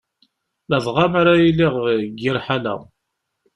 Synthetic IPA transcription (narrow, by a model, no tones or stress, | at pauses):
ləðˤʁamaɾajilːiʁɡiɾħalæ̰